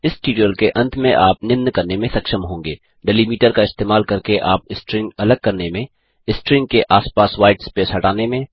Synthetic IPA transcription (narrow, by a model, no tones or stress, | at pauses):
ɪsʈiːɖijəlkeʔɐ̃nt̪ʰmẽʔaːpnɪmnkɐɾnemẽsɐkʃəmɦõːŋɡeː | ɖɛlimiːʈəɾkaɪst̪eːmaːlkɐɾkeʔaːpɪsʈɾɪ̃ŋɡɐləɡ̚kɐɾnemẽ | ɪsʈɾɪ̃ŋɡ̚keʔaːspaːswaːɪʈspesɦɐʈaːnemẽː